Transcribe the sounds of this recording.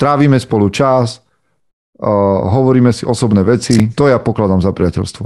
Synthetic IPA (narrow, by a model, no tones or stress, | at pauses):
t̪ɾaːʋiːmɛspɔlut͡ʃas | ɦɔʋɔɾiːmɛsiʔɔsɔbnɛːʋɛt͡sit̪ɔjapɔklad̪amzapɾɪacɛ̰lst̪ʋɔ